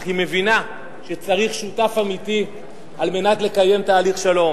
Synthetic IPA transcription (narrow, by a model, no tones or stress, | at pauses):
ime̞vina | ʃet͡saʁiχʃutafamiti | alme̞natle̞kaje̞mtaːliχʃalo̞m